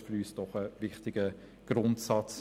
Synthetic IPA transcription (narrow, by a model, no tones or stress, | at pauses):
fyɾyːsd̥ɔχəvɪχtɪɡ̥ə | ɡ̥ɾʊntsɑt͡s